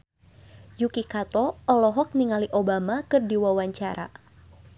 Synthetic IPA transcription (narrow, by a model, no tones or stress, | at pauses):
jukikat̪ɔɔlɔɦɔk̚niŋaliʔobamakɨrdiwawaɲt͡ʃaɾʔa̰